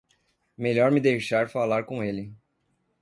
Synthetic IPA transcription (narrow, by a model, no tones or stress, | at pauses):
meʎɔɾmɪd̪ejʃaɾfalaɾkõelɪ